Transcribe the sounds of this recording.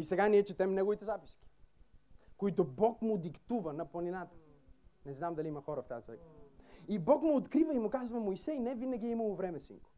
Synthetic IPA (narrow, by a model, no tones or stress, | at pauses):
isɛɡaniɛt͡ʃɛt̪ɛmnɛɡovit̪ɛzapi̥sk̟ʲi̥ | koit̪obɔkmʊd̪ikt̪uvənɐplˠɐninat̪ə̥nɛznamd̪ɐliimɐxɔɾəft̪at̪ɛjkəibɔkmʊːt̪kɾivəimʊkazvɐmoisɛjnɛvinəɡʲiɛiməlˠovɾɛmɛsḭŋkʊ̥